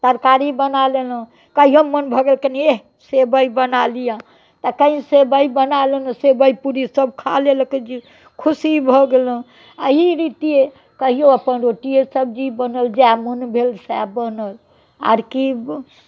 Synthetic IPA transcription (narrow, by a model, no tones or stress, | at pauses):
t̪əɾkaɾibənalelə̃ | kəɦiɦəmːənbʱɔɡelkene | sebəibənalijã | t̪əkəĩsebəibənalənsebəjpuɾisəb̚kʰa̰lelked͡ʒi | kʰusibʱɔɡelə̃ | əɦiɾit̪ie | kəɦijoəpənɾoʈiesəb̚d͡ʒibənəld͡ʒamənbʱelsɛbənəl | a̰ɾki